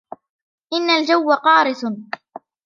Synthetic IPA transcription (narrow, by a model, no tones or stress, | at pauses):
ʔɪnːald͡ʒawːaqɑːɾɪt̪